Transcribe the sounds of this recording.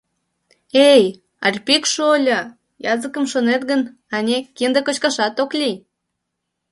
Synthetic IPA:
ej | ɑ̰rʲpikʃolʲə | jɑzəkəmʃonet̪ɣən | ɑnʲekind̪əkot͡ɕkɑʃɑt̪oklʲi

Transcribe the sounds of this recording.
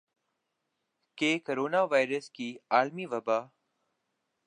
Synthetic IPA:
keːkəɾoːnaːʋaːɪɾəskiːaːlmiːʋəbaː

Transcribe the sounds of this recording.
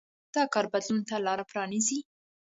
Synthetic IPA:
d̪̥ɑkɑɾbad̪lunt̪alɑɾapɾɑnizi

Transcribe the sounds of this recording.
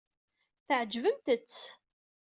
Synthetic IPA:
θəʕəd͡ʒvəmt̪ət͡sː

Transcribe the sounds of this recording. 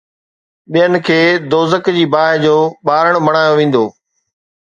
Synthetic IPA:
ɓijənɪ̆kʰeːd̪oːzəkd͡ʑiːbaːɪd͡ʑoːɓaːɾəɽ̃mɐɽ̃aːjoʋẽːn̆d̪oː

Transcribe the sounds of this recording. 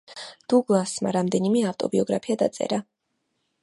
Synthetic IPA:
d̪̥uɡlˠasma̰ɾamd̪ɛnimɛaft̪ʼɔbiɔɡɾapʰiad̪a̰t̪sʼɛ̰ɾa

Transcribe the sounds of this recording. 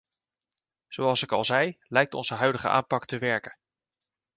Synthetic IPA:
z̥owɑlˠsɪkɑ̰lˠzɛjlɛjk̚tɔ̰nzəɦœɥdəχə̰ʔa̰ːmpɑktəʋɛɹkən

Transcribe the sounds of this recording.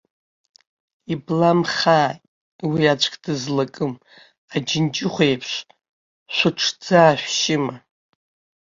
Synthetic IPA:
iblamχaː | wiat͡ʃʷʼkʼdɨzlakʼɨm | ad͡ʒɪnd͡ʒɪχʷejpʰʃʷ | ʃʷʊʈ͡ʂʰd͡zaːʃᶣʷʃɪma

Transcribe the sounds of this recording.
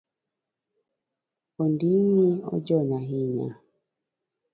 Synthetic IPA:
ɔndiɲeɔ̰d͡ʒɔɲaɦiɲa̰

